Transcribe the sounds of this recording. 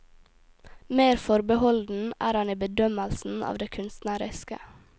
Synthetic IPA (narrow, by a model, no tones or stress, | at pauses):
meːɾfɔɾbəhɔld̪n̩ʔæːɾhɑniːbəd̪œməlsn̩ʔɑ̰ːʋd̪eːkʰʉnst̪næɾɪskə̰